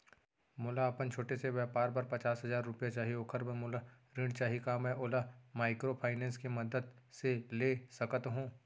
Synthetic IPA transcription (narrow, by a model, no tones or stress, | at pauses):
mʊlaɐpənt͡ʃʰoːʈeseʋɛpaːɾbɐɾpɐt͡ʃaːsɦɐzaːɾːʊpjat͡ʃaːɦioːkʰəɾbəmʊla | ɾɪ̃ɳɖt͡ʃaːɦikaːmɛ̃ʔoːlamaːɪkɾopʰaːɪnɛ̃ːnskemɐd̪əd̪seleːsɐkət̪ɦũː